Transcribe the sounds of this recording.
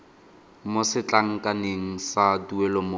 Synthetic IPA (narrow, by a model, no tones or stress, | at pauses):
mosɪt͡ɬʼaŋ̩kʼaneŋ̩saduɛlɔmo